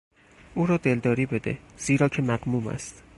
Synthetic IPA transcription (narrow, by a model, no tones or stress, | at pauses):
ʔuːɾɒːd̪e̞ld̪ɒːɾiːbe̞d̪ḛz̥iːɾɒːcʰe̞mæɡmuːmæ̰st̪